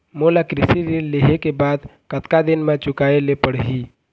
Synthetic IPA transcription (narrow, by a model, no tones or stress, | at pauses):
mulakɾɪsiɾilleɦekebaːd̪kət̪kad̪ɪnmãt͡ʃʊkaelepəɽɦi